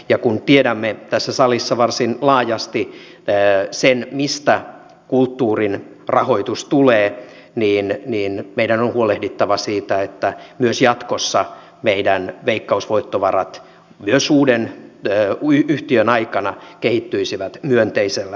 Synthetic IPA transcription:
jɑkunt̪iedæmːet̪æsːæsɑlisːɑʋɑrsinlɑːjɑst̪i | senmist̪æ | kult̪ːuːrin | rɑhoit̪ust̪uleː | niːnniːnmeidænonhuolehdit̪ːɑʋɑsiːt̪æet̪ːæmyøsjɑt̪kosːɑ | meidænʋeikːɑusʋoit̪ːoʋɑrɑt̪ | myøsuːden | yyht̪iønɑikɑnɑkehit̪ːyisiʋæt̪myønt̪eiselːæ

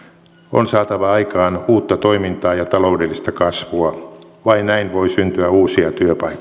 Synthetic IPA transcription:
o̰nsɑːt̪ɑʋɑɑikɑːnuːt̪ːɑt̪o̞imint̪ɑːjɑt̪ɑlo̞udelːist̪ɑkɑsʋuɑ | ʋɑinnæinʋo̞isynt̪yæuːsiɑt̪yøpɑi

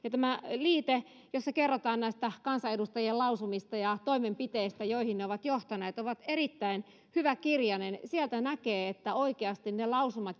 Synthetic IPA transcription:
jɑt̪æmæliːt̪e | josːɑkerːot̪ɑːnnæist̪ækɑnsɑedust̪ɑjielɑusumist̪ɑjɑt̪oimempit̪eist̪æjoihinneoʋɑt̪joht̪ɑneːt̪oʋɑt̪eɾit̪ːæin | hyʋækirjɑnensielt̪ænækeːet̪ːæoikeɑst̪innelɑusumɑ

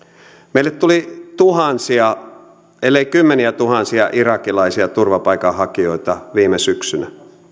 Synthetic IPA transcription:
meilːet̪t̪ulit̪uhɑnsiɑ | elːeikymːeniæt̪uhɑnsiɑʔirɑkilɑisiɑt̪urʋɑpɑikɑhɑkioit̪ɑʋiːmesyksynæ

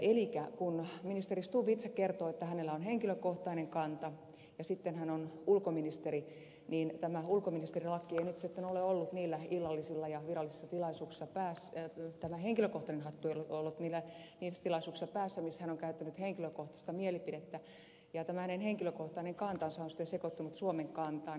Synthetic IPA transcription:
ʔelikækunminist̪erist̪uːpit̪sekkert̪oːet̪ːæhænelːæonheŋkiløkoht̪ɑineŋkɑnt̪ɑ | jɑsit̪ːenhænonulkominist̪eɾi | niːnt̪æmæulkominist̪erilɑkːieinyt̪sit̪ːenoleolːut̪niːlːæilːɑlːisilːɑjɑʋirɑlːˑise̥sːɑt̪ilɑisuːksi̥sɑpæːst̪æmæheŋkiløkoht̪ɑnenɦɑt̪ːueilolːut̪niːlːæniːsːæt̪ilɑisuːksi̥sɑpæːsːæmishænoŋkæyt̪ːænyt̪heŋkiløkoht̪ɑ̥st̪ɑmielipidet̪ːæ | jɑt̪æmæhænenheŋkiløkoht̪ɑineŋkɑnt̪ɑnsɑonsi̥t̪ːensekot̪ːunut̪suomeŋkɑnt̪ɑːn

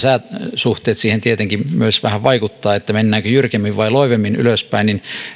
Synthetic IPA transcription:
sæːt̪suht̪ˑeːt̪siːhent̪iet̪eŋkimyøsʋæhæʋʋɑikut̪ːɑːet̪ːæmenːæːŋkøjyrkemːiʋʋɑiloiʋemːiny̰løspæinin

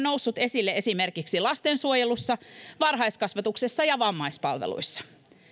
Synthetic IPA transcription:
no̞wsːut̪e̞silːee̞sime̞rkiksilɑst̪ensuojelusːɑʋɑrɦɑjskɑsʋɑt̪ukse̞sːɑjɑʋɑmːɑjspɑ̰lʋḛlṵjsːɑ̥

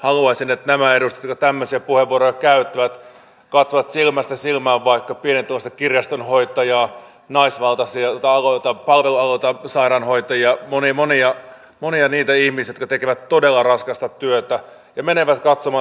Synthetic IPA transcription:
hɑluɑsinet̪næmæedust̪e̥t̪kɑt̪æmːøsiæpuheʋːuoɾojɑkæyt̪ːæʋæt̪ | kɑt̪soʋɑt̪silmæst̪æsilmæːʋʋɑikːɑpienent̪ːolːɑst̪ɑ̥kirjɑst̪onhoit̪ɑjɑː | nɑisʋɑlt̪ɑsiɑt̪ɑɑloit̪ɑpɑlʋeluɑlot̪ɑsɑiɾɑnhoit̪ɑjiɑmonimoniɑ | moniɑniːt̪æihmisjot̪kɑt̪ekeʋæt̪todelːɑrɑskɑst̪ɑt̪yøt̪æ | jɑmeneʋæt̪kɑt̪somɑː

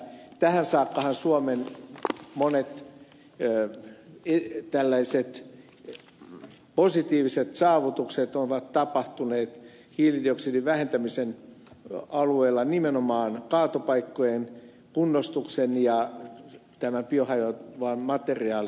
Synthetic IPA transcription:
t̪æhænsɑːkːɑhɑnsuomen | monet̪ | et̪ælːæiset̪ | posit̪iːʋiset̪sɑːʋut̪ukset̪oʋɑt̪t̪ɑpɑht̪uneːt̪ | hiːlidioksiːdiʋʋæhent̪æmisen | ɑlueːlːɑnimenomɑːnkɑːt̪opɑikːojen | kunːost̪uksenjɑ | t̪æmæpiohɑjoʋɑːnmɑt̪eriɑːli

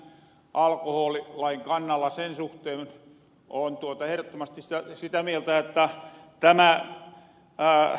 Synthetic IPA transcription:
ʔɑlkohoːlilɑiŋkɑnːɑlːɑsensuht̪eːn | ʔont̪uot̪ɑehrot̪ːomɑst̪ist̪æsit̪æmielt̪æot̪ːæt̪æmæ

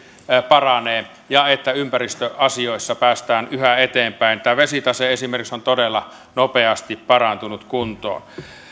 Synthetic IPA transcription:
pɑrɑneː | jɑet̪ːæympærist̪øʔɑsioˑesːɑpæːst̪æːnyhæet̪eːmpæˑint̪ːæʋesit̪ɑseesimerkiksont̪odelːɑ | nopeɑst̪ippɑrɑnt̪unut̪kunt̪o̰ɑ̰

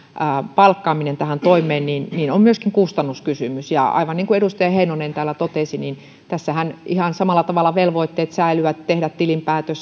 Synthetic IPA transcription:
əpɑlkːɑːminent̪æhænt̪oimˑeːnninninommyøskiŋkust̪ɑnːuskysymysjɑ̰ɑ̰iʋɑnniːŋkueɾust̪ɑjɑheinonent̪æːlːæt̪ot̪esinin | t̪æsːæhænihɑnsɑmɑlːɑt̪ɑʋɑlːˑɑʋelʋoit̪ːeːt̪sæilyʋæt̪t̪ehdæt̪t̪ilimpæːt̪øs

